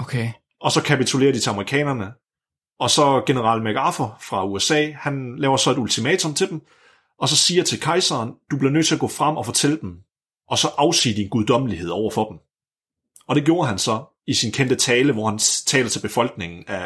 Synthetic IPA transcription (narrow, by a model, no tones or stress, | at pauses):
okʰe | ɒ̽sɒ̽kʰæpit͡sʰule̝̰ːɐd̥it͡sʰelɑmɐʁikʰɛ̰ːnɐnə | ɒ̽sɒ̽ɡ̥e̝nəʁɑ̈ːlmæɡ̥ɑ̈fɐfʁɑ̈uesɛ̰ːhænlɛːʊɐsɒ̽e̝d̥ult͡sʰimɛːt͡sʰɔ̽mt͡sʰe̝d̥em | ʔɒ̽sɒ̽siːɐt͡sʰe̝lkʰɑ̈ɪsɐːnd̥ub̥li̝ɐnø̰ð̰̚ˠt͡sʰe̝læɡ̥ɔ̰̽ːfʁɑm̰ɒ̽fɒ̽t͡sʰel̰əd̥em | ʔɒ̽sɒ̽ʔɑ̈ʊsḭːd̥inɡ̥uðˠd̥ɒ̽məlihe̝ð̞̰ˠɒʊ̰ɐfɒ̽d̥m̩ | ɒ̽ɾ̥e̝ɡ̥jo̝ːɐɦænsɒ̽ | isinkʰend̥ət͡sʰɛːləʋɒhænt͡sʰɛːlɐt͡sʰe̝lb̥e̝fɒ̽l̰ɡ̥ne̝ŋn̩æ